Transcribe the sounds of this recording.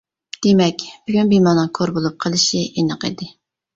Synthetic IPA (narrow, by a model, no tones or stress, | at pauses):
d̪̥emɛkʲb̥yɡʲynbimɑnɨŋkʰoɾbolˠup̚qʰəlˠɨʃiʔinɨqḭd̪ɪ